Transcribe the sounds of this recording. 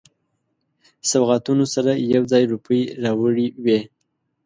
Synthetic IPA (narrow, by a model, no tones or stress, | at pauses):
sawɣat̪unosaɾajawd͡zɑjɾupəjɾɑwəɽiwe